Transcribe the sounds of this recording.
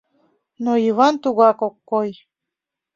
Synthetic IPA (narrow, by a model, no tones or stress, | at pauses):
noiβɑnt̪uɣɑkokːoj